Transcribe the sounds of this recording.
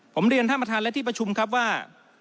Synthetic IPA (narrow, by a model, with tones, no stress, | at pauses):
pʰo˩˦mɾi˧ənt̪ʰa˥˩pːa˧t̪ʰaː˧nlɛ˦˥t̪ʰiː˥˩pɾa˧t͡ɕʰu˧mkʰa˦˥p̬̚waː˥˩